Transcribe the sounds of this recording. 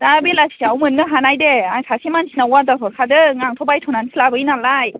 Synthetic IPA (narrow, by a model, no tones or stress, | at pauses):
d̥abelasʰi̥sʰiawmɯnɡɯɦanajdeaŋsʰasʰimansʰinawadasʰɔɾkʰadɯŋaŋtʰɔbajtʰɔnansʰilabɯinalaj